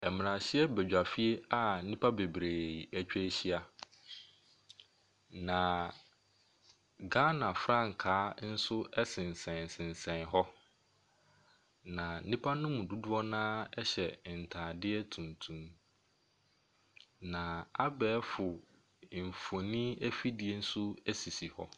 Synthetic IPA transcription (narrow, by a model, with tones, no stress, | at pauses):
ɛ˨mɪ̃˨nã˨ɕɪ˦ɛ˦bɛ˨d͡ʑᶣa˨fi˦e˦a˨˦nĩ˦pʰa˦be˨bɾeː˨æ˦t͡ɕᶣɛ˦ɕi˦a˦ | nã˨ | ɡa˦nã˨fɾã˦˨ŋ˨kʰaː˨˦n̩˦sʊ˦ɛ˦sɪ̃˨n˨sɛ̃˨sɪ̃˨n˨sɛ̃˨nɦɔ˦ | nã˨n̩˦nĩ˦pʰa˦nʊ̃˦mũ˨du˦dʊ˦ɔ˦nãː˦ɛ˦ɕɛ˨n̩˨tʰãː˨dɪ˦ɛ˦tʰũ˨ntʰũ˦m | nã˨a˦bɛː˨˦fʊ˨ | fo˨nĩ˦æ˦fi˦dɪ˦e˦n̩˦sʊ˦ɛ˦si˨si˨hɔ˦